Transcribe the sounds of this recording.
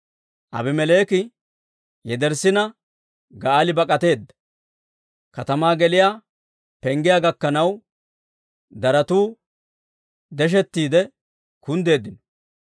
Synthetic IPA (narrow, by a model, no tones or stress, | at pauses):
ʔɐ̰bɪmɛleːkɪ | jɛd̪ɛɾsɪnɐ | ɡɐaːlɪbɐkʼɐt̪e̞ːd̪ːɐ̥ | kɐt̪ɐmaːɡɛlɪjaː | pɛŋɡɪjaːɡɐkːɐnɐw | d̪ɐɾɐt̪uː | d̪ɛʃ̬ɛt̪ːiːd̪ɛ | kʊnd̪e̞ːd̪ɪnɔ̥